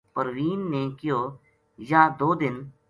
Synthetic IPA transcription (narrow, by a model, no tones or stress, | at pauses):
pəɾʋiːnːeːkɪjoː | jãːd̪oːd̪ɪn